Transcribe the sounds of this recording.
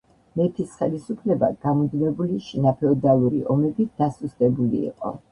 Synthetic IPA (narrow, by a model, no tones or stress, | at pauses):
mɛp̪ʰisχɛlisupʰlɛba̰ɡ̥amɔd̪nɛbuliʃinapʰɛɔd̪alˠuɾḭʔɔmɛbid̪̥asusd̪ʼɛbulḭːqʼɔ̰